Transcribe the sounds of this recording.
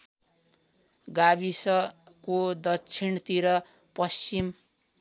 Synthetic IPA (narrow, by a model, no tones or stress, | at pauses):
ɡabisʌ | kod̪ʌt͡sʰint̪iɾʌ | pʌst͡ʃim